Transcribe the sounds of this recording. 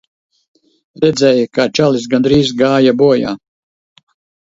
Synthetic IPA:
ɾɛd̪zʲɛːjakat͡ʃalis̬ɡand̪ɾiːzɡaːjabuɔja̰ː

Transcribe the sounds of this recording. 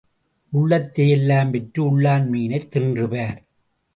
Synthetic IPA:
ʔʊɭːɐt̪ːejɛlːaːmpɛʈrɯʊɭːaːnmiːnɐɪt̪ːɪndrɯʋaːɾ

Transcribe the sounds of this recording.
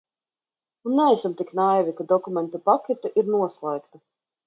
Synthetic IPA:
unːɛɛsamt̪iknajvʲikad̪ɔkumʲɛnt̪upakʲɛt̪uʔiɾnuɔslˠɛjkt̪a

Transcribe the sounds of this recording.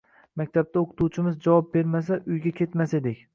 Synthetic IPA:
mak̚ʲt̪ʰab̚t̪ʰaoqʰɨ̥t̪ʰuwt͡ʃʰɪmɪzd͡ʒavɒp̚be̞ɾmas̬aʔʊjɡʲakʲʰe̞t̪mased̪ekʲ

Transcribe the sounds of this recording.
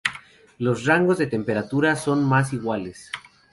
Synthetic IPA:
lo̞sraŋɡo̞zðe̞t̪e̞mpe̞ɾat̪uɾaso̞nmas̬iɣwale̞s

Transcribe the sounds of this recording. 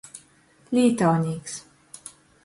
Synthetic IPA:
liːt̪ɔniks

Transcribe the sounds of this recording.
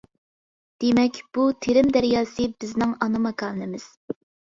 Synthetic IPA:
d̪̥emɛkʲb̥ut̪ʰeɾɪmd̪æɾjɑːsɨbɪznɪŋɑnɨmɑkʰɑːnɪmɪz̥

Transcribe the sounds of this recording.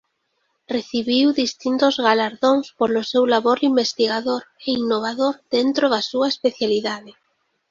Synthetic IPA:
reθiβiwðist̪int̪ʊzɣalaɾðoŋspolʊsewlaβoɾimbest̪iɣaðoɾeinːoβ̞aðoɾð̥ent̪ɾoðasuaespeθjaliðaðɪ

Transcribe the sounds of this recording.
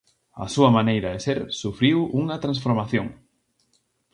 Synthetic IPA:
ɐ̰suɐmanejɾɐðɪseɾsufɾiwuŋɐt̪ɾãnsfoɾmaθjõŋ

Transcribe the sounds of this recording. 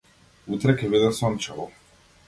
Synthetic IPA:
ut̪ɾɛkɛbid̪asɔnt͡ʃɛlɔ

